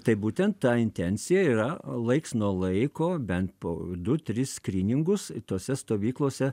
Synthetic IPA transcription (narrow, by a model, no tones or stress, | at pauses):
t̪ɐɪbuːt̪ʲɛnt̪t̪ɑːɪnʲt̪ʲɛnʲsʲɪjɛiːɾɐlˠɐɪksnuɔlˠɐɪkoːbʲɛnt̪po̰ːd̪ʊt̪ʲɾʲɪssʲkɾʲiːnʲɪŋɡʊst̪oːsʲɛst̪oːʋʲiːklˠoːsʲɛ